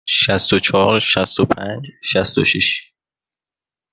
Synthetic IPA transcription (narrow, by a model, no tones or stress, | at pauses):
ʃæst̪ot͡ʃʰɒːɾʃæst̪opʰænd͡ʒʃæst̪oʃiʃ